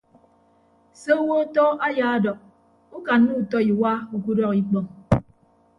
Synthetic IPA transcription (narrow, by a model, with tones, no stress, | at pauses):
so˦wo˦tɔ˦a˦jaː˨a˦dɔ˨k̚ | u˦ka˨nː˦u˦u˨tɔ˦i˨wa˦u˨ku˦dɔ˦ki˦k͡pɔ˦ŋ